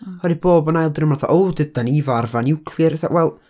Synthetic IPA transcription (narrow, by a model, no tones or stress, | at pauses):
hɔdiboːbənajlˠdrəmlaθɔ̰ʔowdɨdanivarvanɪwkʰlˠɨɾθa̰ʔwɛlˠ